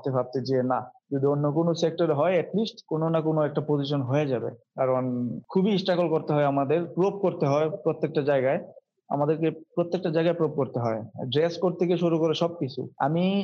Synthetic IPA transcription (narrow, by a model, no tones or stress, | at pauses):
t̪ebʱab̚t̪ed͡ʑenad͡ʑod̪ionːok̬onosek̚ʈaɾeɦɔeɛʈlisʈkononakonoɛk̚ʈapod͡ʑiʃ̬onɦoed͡ʑabḛkaɾonkʰubiisʈɾakolkoɾt̪eɦɔeamad̪eɾpɾop̚koɾt̪eɦɔepɾot̪ːek̚ʈad͡ʑaeɡae | a̰mad̪eɾkepɾot̪ːek̚ʈad͡ʑajɡaepɾop̚koɾt̪eɦɔeɖɾeskoɾt̪ʰek̬eʃuɾukoɾeʃɔb̚kit͡ɕʰṵa̰mi